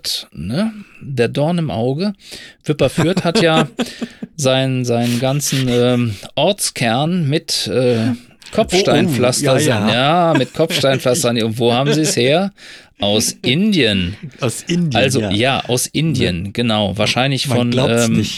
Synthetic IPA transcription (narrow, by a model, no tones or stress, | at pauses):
tnədeːɐdɔɐnɪmʔa̰ʊɡəv̥ɪpɐfyːɐthatjaː | zaɪnənzaɪnənɡant͡sn̩ʔɛːmʔɔɐt͡skʰɛɐnmɪtʔɛː | kʰɔfʃtaɪnflastɐajaːmɪtkʰɔp͡ffʃtaɪnflastɐnʊntv̥oːhaːbm̩ziːɛsheːɐ | ʔaʊsɪndjən | ʔalzojaːʔa̰ʊsʔɪndiə̰nɡ̥ənaʊvaːɐʃaɪnlɪçfɔnɛːm